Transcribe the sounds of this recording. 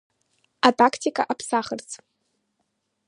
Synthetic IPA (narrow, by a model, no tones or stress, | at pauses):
atʼakʰtʰikʼa̰ʔapʰsaχərt͡sʼ